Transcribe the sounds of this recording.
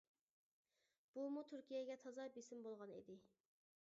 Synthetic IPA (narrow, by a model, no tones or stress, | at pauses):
b̥umut̪ʰyɾkʲijɛɡʲɛt̪ʰɑzɑbesɪmbolˠʁɑnḭd̪ɪ